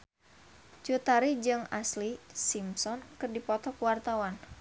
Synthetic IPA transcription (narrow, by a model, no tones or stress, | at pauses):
t͡ʃut̪aɾid͡ʒɨŋaslisimsɔnkɨrdipɔt̪ɔkwart̪awan